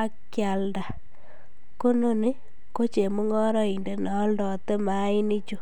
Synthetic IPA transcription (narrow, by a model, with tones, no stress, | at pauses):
a˦kja˨lda˨ | ko˦no˦ni˦ | ko˦t͡ʃe˨mu˦ŋɔ˦ɾɔ˦i˨nde˨ne˨ɔ˦ldɔ˨te˦ma˨˦i˦ni˦t͡ʃo˦